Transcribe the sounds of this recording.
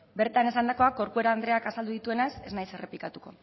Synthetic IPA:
be̞ɾt̪ane̞sand̪ako̞ako̞ɾkue̞ɾaːnd̪ɾe̞akasald̪uðit̪ue̞nase̞znajse̞re̞plikat̪uko̞

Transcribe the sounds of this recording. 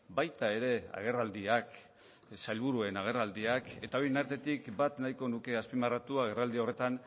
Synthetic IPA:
bajt̪ae̞ɾe̞a̰ɣ̞e̞rald̪iak | sajlβuɾue̞naɣ̞e̞rald̪iake̞t̪aojenaɾt̪e̞t̪ikbat̪najko̞nuke̞aspimarat̪uaɣ̞e̞rald̪io̞re̞t̪an

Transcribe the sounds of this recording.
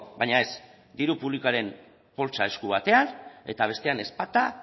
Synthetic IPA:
bajɲae̞z | d̪iɾupuβliko̞aɾe̞m | po̞lt͡sae̞skuβ̞at̪e̞ane̞̰t̪aβ̞e̞st̪e̞ane̞spat̪a

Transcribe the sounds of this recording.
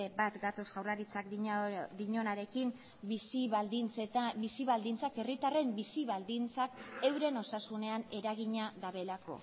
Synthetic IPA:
ebat̪ɡat̪o̞sɣawrlaɾit͡sakd̪iɲo̞naɾe̞kim | isid̪int͡set̪bisiβald̪int͡sake̞rit̪are̞mbisiβald̪int͡sake̞wɾe̞no̞sasune̞ane̞ɾaɣ̞iɲaðaβe̞lako̞̰

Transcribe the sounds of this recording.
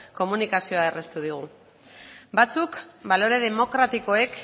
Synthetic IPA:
ko̞munikasio̞aere̞st̪uð̞iɣ̞u | bat͡sukbalo̞ɾe̞ð̞e̞mo̞kɾat̪iko̞e̞k

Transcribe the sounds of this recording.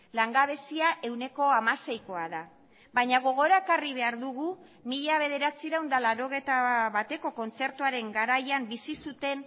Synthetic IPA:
laŋɡaβ̞e̞siaʔe̞wne̞ko̞amase̞jko̞aða | βajɲaɣo̞ɣ̞o̞ɾaekariβ̞e̞aɾðuɣ̞u | miʎaβ̞e̞ðe̞ɾat͡siɾawnd̪alaɾo̞ɣ̞e̞t̪aβat̪e̞ko̞ko̞nt͡se̞ɾt̪uaɾe̞ŋɡaɾajambisisut̪e̞n

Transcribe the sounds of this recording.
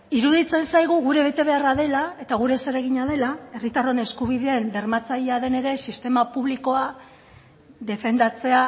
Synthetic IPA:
iɾuðit͡se̞nsajɣuɣuɾe̞βe̞t̪e̞β̞e̞araðe̞lae̞t̪aɣ̞uɾe̞seɾe̞ɣ̞iɲaðe̞lae̞rit̪aro̞ne̞skuβ̞iðeend̪e̞ɾmat͡saʎeaðe̞ne̞ɾe̞sist̪e̞mapuβ̞liko̞a | ðe̞fe̞nd̪at͡se̞a

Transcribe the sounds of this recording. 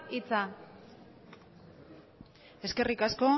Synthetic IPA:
it͡sa | e̞ske̞rikasko̞

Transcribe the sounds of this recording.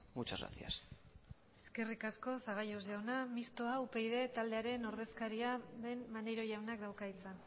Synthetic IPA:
mut͡ʃaa̰sia̰s | e̞ske̞rikasko̞saɣ̞ajo̞zʝawnamist̪o̞aupe̞jð̞e̞t̪ald̪e̞aɾe̞no̞ɾð̞e̞skaɾiaðe̞nmaneɾo̞jawnak̚d̪awkait͡san

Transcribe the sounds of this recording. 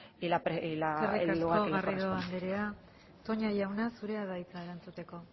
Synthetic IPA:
ilapɾeilaeriaslukɣaoɣariðo̞and̪eɾea | t̪o̞ɲaʝawnasuɾe̞aðajt͡sae̞ɾant͡sut̪e̞ko̞

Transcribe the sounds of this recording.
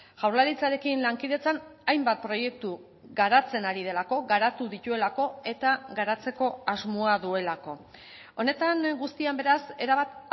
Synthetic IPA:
ʝ̥awɾlaɾit͡saɾe̞kinlaŋkiðe̞t͡sanajmbat̪̚pɾo̞je̞k̚t̪u | ɣaɾat͡se̞naɾið̞e̞lako̞ɣaɾat̪uðit̪ue̞lako̞e̞t̪aɡaɾat͡se̞ko̞azmoaðue̞lako̞ | o̞ne̞t̪aŋɡust̪iambe̞ɾase̞ɾaβat̪

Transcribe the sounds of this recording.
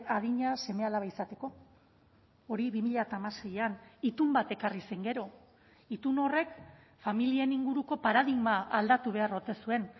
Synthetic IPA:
aðiɲase̞me̞alaβaisat̪e̞ko̞ | oɾiβimiʎat̪aːmase̞janit̪umbat̪e̞karise̞ŋɡe̞ɾo̞ | it̪uno̞re̞k | familie̞niŋɡuɾuko̞paɾaðiɣmaald̪at̪uβ̞e̞aro̞ɾt̪e̞sue̞n

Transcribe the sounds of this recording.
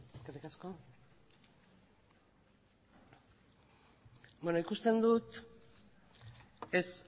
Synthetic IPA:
eskerikasko̞ | bono̞ikust̪e̞nd̪ut̪ | es

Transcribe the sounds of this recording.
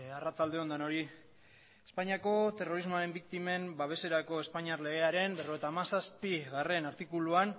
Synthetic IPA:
arat͡sald̪e̞o̞nd̪ano̞ɾi | espaɲiako̞t̪e̞ro̞ɾizmo̞aɾe̞mbik̚t̪ime̞mbaβ̞e̞se̞ɾako̞e̞spaɲiarle̞ɣe̞aɾe̞mbe̞ro̞et̪aːmasaspiɣare̞naɾt̪ikuluan

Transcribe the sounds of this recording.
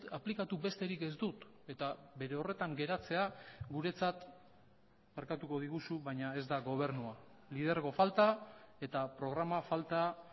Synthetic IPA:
aplikat̪ube̞st̪e̞ɾike̞zd̪ut̪ | e̞t̪abe̞ɾe̞o̞re̞t̪aŋɡe̞ɾat͡se̞aɡuɾe̞t͡sat̪ | meɾkat̪uko̞ð̞iɣusuβajɲae̞zd̪aɣo̞β̞e̞ɾnua | lið̞e̞ɾɣo̞falt̪ae̞t̪apɾo̞ɣ̞ɾamafalt̪a

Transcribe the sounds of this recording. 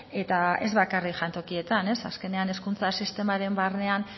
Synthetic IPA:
e̞t̪ae̞̰zβakarikʝant̪o̞kie̞t̪ane̞sa̰ske̞ne̞ane̞skunt͡sasist̪e̞maɾe̞mbarne̞an

